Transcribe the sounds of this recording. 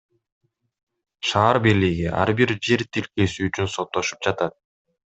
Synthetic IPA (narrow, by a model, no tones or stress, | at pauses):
ʃɑːɾbiɾliɡiʔɑ̰ɾbiɾd͡ʒe̞ɾt̪ʰilke̞syːt͡ʃynso̞t̪ːo̞ʃu̥p̚d͡ʒɑt̪ɑt̪̚